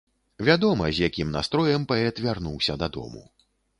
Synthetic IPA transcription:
vʲad̪ɔmɐzʲjakʲimnast̪ɾɔjɐmpɐɛt̪vʲarnuwsʲɐd̪ɐd̪ɔ̰mṵ

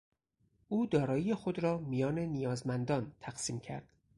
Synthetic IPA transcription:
ʔuːd̪ɒːɾɒːjijexod̪ɾɒːmijɒːne̞nijɒːzmænd̪ɒːnt̪ʰæɡsiːmcʰæ̰ɾd̪̥

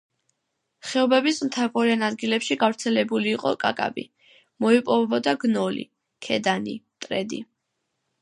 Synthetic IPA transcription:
χɛɔbɛbismt̪ʰapɔɾianad̪ɡilɛpʃiɡavɾt̪sʰɛlɛbuliːqʼɔ̰kʼa̰kʼa̰bḭ | mɔipʼɔvɛbɔd̪aɡnɔlḭ | kʰɛd̪anḭ | t̪ʼɾɛd̪ḭ

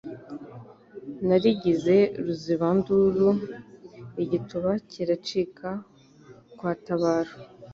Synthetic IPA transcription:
naɾiɟize̞ɾuziβanduɾu | iɟituβacʰiɾat͡ʃikʰa | kwaːtaβaːɾo

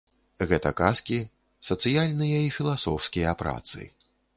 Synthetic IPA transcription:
ɣɛt̪ɐkaskʲi | sɐt̪sɨjalʲnɨjɐifʲilˠasɔwskʲijɐpɾa̰t̪sɨ̰

